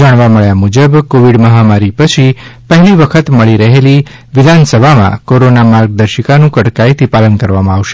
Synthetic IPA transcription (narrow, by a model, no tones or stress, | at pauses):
aɽ̃ʋaməɭjamud͡ʒəbkoʋiɖməɦamaɾipət͡ʃʰipəɦɛliʋəkʰət̪məɭiɾəɦeli | ʋɪd̪ʱansəbʱamã̰koɾonamaɾɡ̚d̪əɾʃəkanũkəɽkajt̪ʰipalənkəɾʋamãaʋʃe̥